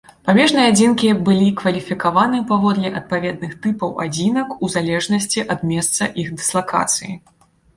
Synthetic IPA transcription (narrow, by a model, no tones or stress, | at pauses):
pamʲɛʐnɨjɛad͡zʲinkʲibɨlʲikvɐlʲifʲikavanɨpavɔd̪lʲɛʔɐt̪̚pavʲɛd̪̚nɨxt̪ɨpɐwʔa̰d͡zʲinɐkuzalʲɛʐnɐsʲt͡sʲiʔɐd̪mʲɛst̪sɐʔixd̪ɨslˠaka̰t̪sɨ̰jḭ